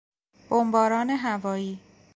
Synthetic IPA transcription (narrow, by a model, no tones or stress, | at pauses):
b̥ombɒːɾɒːne̞ɦævɒːiː